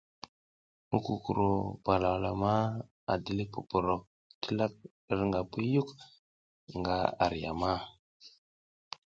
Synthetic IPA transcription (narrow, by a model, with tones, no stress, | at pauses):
mu˦ku˨ku˨ɾo˨ba˨la˨wla˨ma˦ | a̰˨di˨li˦pu˨po˨ɾo˨ | ti˦la˦k̚ | ɾŋɡa˨pi˦ju˦k | ŋɡa˦a̰˨ɾi˨ja˨ma˦